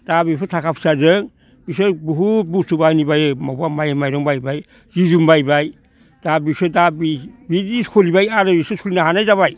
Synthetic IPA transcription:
d̥abipʰɯtʰakʰapʰi̥sazɯŋ | bisɯbuɦubusubajnibajmabuamajmajɾɔŋbajbaj | d͡ʒid͡ʒumbajbaj | d̥abisɯdabibiikʰolibajaɾɯbisosulinaɦanajzaβaj

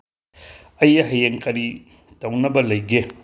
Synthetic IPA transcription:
ɐjɐɦɐjeŋkɐɾi | tɐwnɐbɐlɐjɡe

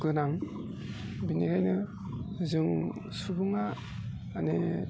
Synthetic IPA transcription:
ɡɯnaŋ | biniɾajnɯ | zɯŋ | subɯŋaː | ne

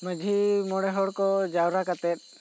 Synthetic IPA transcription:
məd͡ʒʱimɔɽɛɦɔɽkɔd͡ʒawɾakat̪ɛt̪̚ˀ

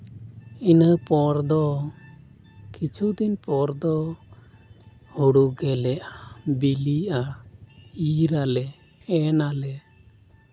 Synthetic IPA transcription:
inəpɔɾd̪ɔ | kit͡ʃʰud̪inpɔɾd̪ɔ | huɽuɡɛlɛʔabiliʔa | iɾalɛ | ɛnalɛ

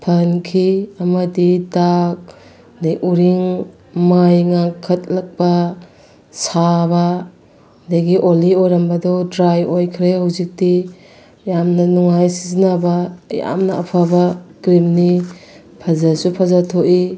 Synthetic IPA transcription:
pʰɐnkʰiɐmɐdidak̚ | neʔuɾiŋ | majŋaŋkʰːɐt̚lak̚bɐ | sabɐ | daɡiʔoliojɾɐmbɐdɔdɾajojkʰɾehawzik̚di | jamnɐnuŋajsizinabɐja̰mnɐ̰ːpʰabɐɡɾimni | pʰazasupʰazatʰoʔi

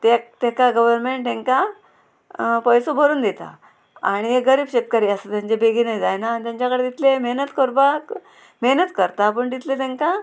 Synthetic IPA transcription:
t̪et̪ekaɡəʋəɾmeɳʈt̪ẽŋka | pəjsobʱəɾuːnd̪et̪a̰ | a̰ɽ̃ieɡəɾiːbɕet̪̚kaɾiːəsət̪jãɲt͡ɕebeɡinajd͡zajnaːnit̪jaɲt͡ɕjakəɽed̪it̪lemeɦnət̪koɾbak | meɦnət̪kəɾt̪ap̬əɳd̪it̪let̪eŋka

